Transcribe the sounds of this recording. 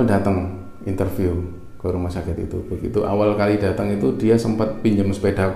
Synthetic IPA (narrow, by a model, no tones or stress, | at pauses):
ldat̪əŋ | int̪ərfiu | kəɾumasakɪt̪ḭt̪ṵbəɡḭt̪uʔa̰walkalidat̪əŋit̪udiasəmpat̪̚piɲd͡ʒəŋspeda